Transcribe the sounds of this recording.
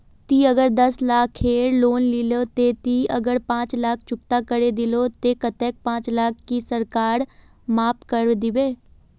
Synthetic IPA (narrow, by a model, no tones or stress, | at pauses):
t̪iːəɡəɾd̪əslaːkʰːeːɾloːnlɪloːt̪eːt̪iːəɡəɾpãːt͡ʃlaːkʰt͡ʃʊkt̪aːkəɾeːd̪ɪloːt̪eːkət̪ɛːk̚pãːt͡ʃlaːkʰːisəɾkaːɾ | maːpkəɾd̪ɪʋeː